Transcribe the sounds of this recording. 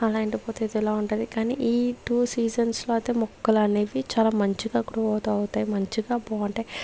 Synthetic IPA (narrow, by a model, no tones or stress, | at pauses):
ɐlaːjɐɳʈipoːt̪eːd̪ɛlaːuɳʈund̪ikaːniʔiːʈuːsiːd͡ʒɐnsloɐt̪eːmɔkːɐlɐneːʋit͡ʃaːlaːmɐɲt͡ʃiɡaːkːuɽuɔːt̪uɐwut̪aːjimɐɲt͡ʃiɡaːpoːɐɳʈeː